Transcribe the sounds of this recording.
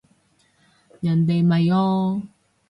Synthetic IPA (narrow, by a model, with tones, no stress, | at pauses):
jɐ˨˩nt̪e˨jmɐ˨jɔː˧